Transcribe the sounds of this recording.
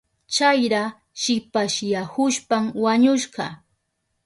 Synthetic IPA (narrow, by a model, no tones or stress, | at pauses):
t͡ʃajɾa | ʃɪpaʃjahʊʃpamwaɲʊʃɢɑ